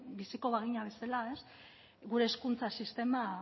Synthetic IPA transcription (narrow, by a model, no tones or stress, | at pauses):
bisiko̞βaɣiɲaβe̞salae̞s | ɣuɾe̞ːskunt͡sasist̪e̞ma